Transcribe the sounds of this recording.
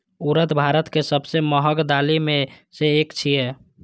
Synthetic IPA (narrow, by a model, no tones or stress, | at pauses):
uɾət̪bʱaɾət̪kesəbseməɦəɡd̪alime | seːkt͡ʃʰije